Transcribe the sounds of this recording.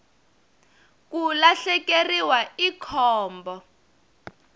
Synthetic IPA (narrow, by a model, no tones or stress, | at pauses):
kulaɬɛkeriwaikʰɔːmbɔ